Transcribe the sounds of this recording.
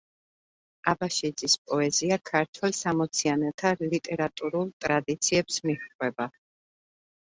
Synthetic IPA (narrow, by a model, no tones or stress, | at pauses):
abaʃid̪zispʼɔɛziakʰaɾt̪ʰwɛlˠsamɔt̪sʰianɛt̪ʰalit̪ʼɛɾat̪ʼuɾulˠt̪ʼɾad̪it̪sʰiɛpsmiχqʼwɛba